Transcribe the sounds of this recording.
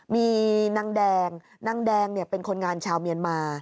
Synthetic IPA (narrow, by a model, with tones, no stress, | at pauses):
miː˧na˧˥ŋdɛː˧ŋ | na˧˥ŋdɛː˧ŋni˥˩ɐpe˧nkʰo˧nŋaː˧nt͡ɕʰaː˧wmi˧ənmaː˧